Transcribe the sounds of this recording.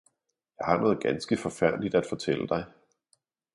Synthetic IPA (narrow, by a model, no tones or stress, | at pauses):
jɑ̈ɪhɑ̈nɔ̽ːð̞̩ˠɡ̥ænsɡ̥əfɒ̽fæɐ̰d̥lid̥æd̥fɒ̽t͡sʰel̰əd̥ɑ̈ɪ